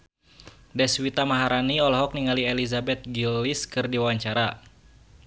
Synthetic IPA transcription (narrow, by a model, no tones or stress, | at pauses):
dɛswit̪amaɦaɾaniɔlɔɦɔk̚niŋaliɛlizabɛt̪̚ɡilːiskɨrdiwawaɲt͡ʃaɾa